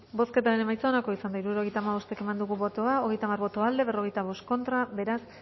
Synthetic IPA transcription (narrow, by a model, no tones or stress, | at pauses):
bo̞ske̞t̪̬aɾene̞majt͡soonako̞isand̪aiɾuɾo̞ɣe̞jt̪aːmaβ̞o̞st̪e̞ke̞mand̪uɣuβo̞t̪oao̞ɣe̞jt̪amaɾβo̞t̪oald̪e̞βero̞ɣe̞jt̪aβ̞o̞st̪̚ko̞nt̪ɾabe̞ɾas